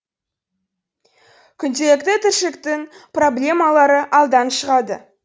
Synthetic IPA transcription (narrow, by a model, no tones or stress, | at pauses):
kʲʰʏnt̪e̞lɪkt̪ɪt̪ʰɪɾʃɪkt̪ɪŋpro̞blʲe̞mɑlˠɑɾəʔɑlˠd̪ɑnʃəʁɑd̪ə̰